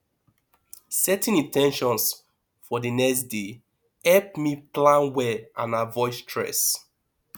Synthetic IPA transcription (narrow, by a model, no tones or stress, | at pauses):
sɛtĩnĩntɛ̃nʃɔ̃ns | fɔdənɛksde | ɛp̚miplãnwɛãnavɔɪstʰɹɛ̰s